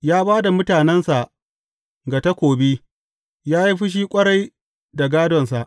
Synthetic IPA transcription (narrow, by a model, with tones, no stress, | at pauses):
jaː˦baː˦da˨mʊ˦taː˨nɛ˦nsa˨ʔ | ɡa˨ta˦kʷoː˨bi˦ | jaː˦ji˦ɸɪ˦ʃ̬iː˦kʷʼɐ˦ɽa˦j | da˨ɡaː˦dɔ˨nsa˨ʔ